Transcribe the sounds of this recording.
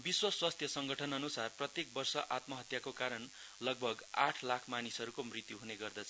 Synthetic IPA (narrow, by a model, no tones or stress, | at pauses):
biswʌswast̪ʰjʌsʌŋɡʌʈʰʌnʌnusarprʌt̪jek̚bʌrsʌʔat̪mʌɦʌt̪jakokaɾʌn | lʌɡ̚bʱʌɡaʈʰlakʰmanisɦʌɾukomrit̪juɦuneɡʌrd̪ʌt͡sʰʌ